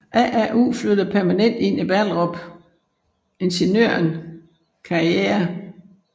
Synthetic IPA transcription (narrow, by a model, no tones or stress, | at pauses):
ʔæ̰ʔæʔṵːflød̥ɐpʰæɐmænen̰d̥e̝n̰ib̥ælʁɔ̽b̥ | e̝nɕenø̰ɐn | kʰɑ̈ieːɐ